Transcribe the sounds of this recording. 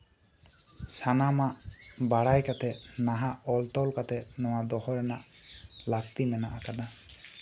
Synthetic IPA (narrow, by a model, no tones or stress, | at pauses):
sanamaʔbaɽajkat̪ɛʔnaɦaʔɔlt̪ɔlkat̪ɛnɔwad̪ɔhɔɾɛnaʔ | lak̚t̪imɛnaʔakana